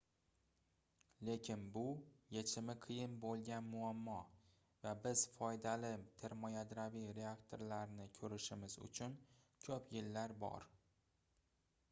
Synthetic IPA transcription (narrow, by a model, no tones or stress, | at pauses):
le̞kʲʰɪnbʊjet͡ʃʰɪmɪqʰijɪnbolˠɡʲanmʊamːɒ | vabɪz̥fɒjd̪alɪt̪ʰeɾmɒjad̪ɾavijɾe̞akt̪ʰoɾlaɾnɪkʲʰɵɾɪʃɪmɪzʊ̰t͡ʃʰʊnkʲʰɵpʰjɪlːaɾbɒ̰ɾ